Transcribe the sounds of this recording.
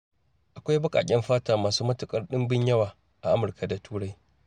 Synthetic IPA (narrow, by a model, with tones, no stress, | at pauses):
ʔa˨kʷa˦jbɐ˦kʼa̰ː˨kʲʼɛ˦mɸaː˦taː˨maː˨suː˦mɐ˦tʊ˨kʼɐ˦rɗɪ˦mbɪ˦ɲjɐ˦waː˨ | ʔa˨ʔa˦mʊ˨rka˨da˨tʰuː˦ɽa˦j